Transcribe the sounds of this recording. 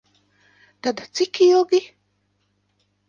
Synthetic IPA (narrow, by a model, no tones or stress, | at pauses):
t̪ad̪at͡sikioɡi